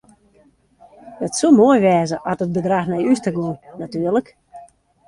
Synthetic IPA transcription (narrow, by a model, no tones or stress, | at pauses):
dətsulˠmoəjʋɛːzəʔɔtət̚bədraxnɛjystəɡunnatyːərlək